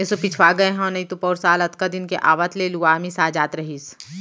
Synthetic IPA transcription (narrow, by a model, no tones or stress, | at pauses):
ɪsopɪt͡ʃʰʋaːɡɐẽɦɛ̃nɐĩt̪upɔːɾsaːlɐd̪kad̪ɪnkeʔaːʋət̪leluaːmĩsaːd͡ʒaːt̪ɾɐɦiːs